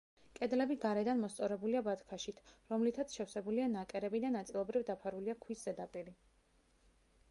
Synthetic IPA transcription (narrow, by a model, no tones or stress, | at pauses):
kʼɛd̪lɛbiɡaɾɛd̪anmɔst̪sʼɔɾɛbuliabat̪kʰaʃit̪ʰɾɔmlit̪ʰat̪sʰʃɛfsɛbulianakʼɛɾɛbid̪anat̪sʼilˠɔbɾivd̪apʰaɾuliakʰwiszɛd̪apʼiɾi